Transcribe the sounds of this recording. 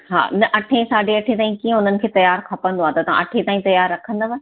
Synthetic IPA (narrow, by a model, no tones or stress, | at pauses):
ɦa̰ːɪnɐʔɐʈʰẽsaːɖʱeɐʈʰet̪aːĩkiːẽʊn̤ənɪ̆kʰeːt̪ɐjaːɾkʰɐpə̃nd̪oaːt̪ɐt̪ɐʋã̰ʔɐʈʰet̪aːĩt̪ɐjaːɾːɐkʰə̃nd̪əʋə